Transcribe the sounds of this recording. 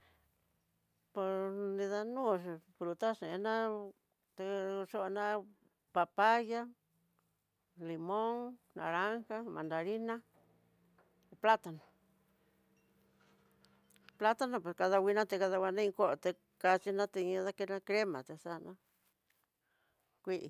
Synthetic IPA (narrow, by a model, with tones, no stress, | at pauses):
po˧snĩ˧ða˧nũː˦˨fɾu˧t̪a˦ʂẽ˨˧˦nã˦ | t̪e˧ʂo˦ʔnã˦ | pa˧pa˦ja˦ | li˨mõ˦ŋnã̰˨ɾa˦ŋxa˦mã˨nd̪a˨ɾi˦nã˦ | pla˦t̪a˧nã˨ | pla˦t̪a˦˧nã˧pwe˨ska˧ða˧wi˧nã˦t̪e˧ka˧ða˧wʷa˧nã˦ĩ˧ko˦ʔo˨t̪e˧ | ka˧t͡ʃi˧nã˦t̪e˧ɲĩ˧˦ða˦˧ke˧nã˧kɾe˦mã̰˨t̪e˧sa˧nã˦ | kʷi˦ʔḭ˧